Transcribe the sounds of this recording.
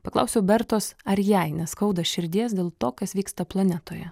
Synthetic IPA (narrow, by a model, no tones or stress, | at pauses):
pɐklˠɑ̰ʊsʲɛʊbʲɛɾt̪oːsɐɾʲjæɪnʲɛsskɒʊd̪ɐʃʲɪɾʲd̪ʲiɛs̬d̪ʲeːlˠt̪oːkɐsʋʲiːkst̪ɐplˠɐnʲɛt̪oːjɛ